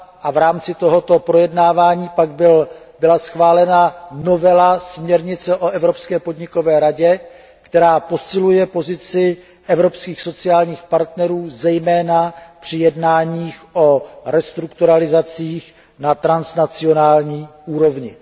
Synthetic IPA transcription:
ʔavɾaːmt͡sɪt̪o̞ɦo̞t̪o̞pɾo̞jɛdnaːvaːɲiːpaɡbɪl | bɪlasxvaːlɛnano̞vɛlasmɲɛɾɲɪt͡sɛʔoʔɛvɾo̞pskɛːpo̞dɲɪko̞vɛːɾaɟɛ | kt̪ɛɾaːpo̞sɪlujɛpo̞zɪt͡sɪ | ʔɛvɾo̞pskiːxso̞t͡sɪjaːlɲiːxpaɾt̪nɛɾuːzɛjmɛːnapr̝̥ɪjɛdnaːɲiːxʔo̞ɾɛst̪ɾukt̪uɾalɪzat͡siːx | nat̪ɾansnat͡sɪo̞naːlɲiːʔuːɾo̞vɲɪ

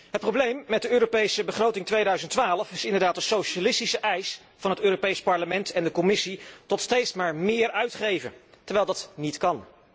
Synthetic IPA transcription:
ɦət̚prowblejmːɛd̚dəøːɾopejsəbəχrowtɪŋtʋejdœɥzəntʋaːləfɪsɪndəɹdaːtəsowʃalɪstisəʔɛjs | fɑnɦətøːropejspɑɹləmɛntɛndəkɔmɪsitɔtstejtsmaːɹmɪːɹœɥtχejvə̰ntɛɹʋɛjlˠdɑtnitkɑn

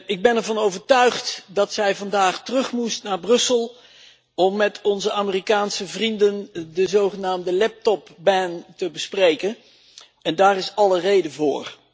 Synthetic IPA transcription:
ɪɡ̚bɛnɛɹvɑnowvəɹtœɥχtdɑtsɛjvɑndaːχtərɵχmustnaːɹbrɵsəlˠ | ɔmːɛtʰɔnzəaːmərikaːnsəvrindəndəzowχənaːmdəlɛp̚tɔpbɛntəbəsprejkən | ɛndaːrɪsɑlərejdəvʊːɹ

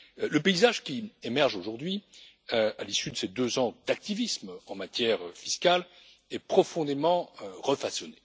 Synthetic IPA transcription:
ləpeizaʒkʲiemɛʁʒoʒuʁd̪ɥi | øalisyd̪əsed̪øzɑ̃d̪ak̚t̪ivismɑ̃mat̪jɛʁfiskal | ɛpχɔfɔ̃d̪emɑ̃øʁəfasɔne

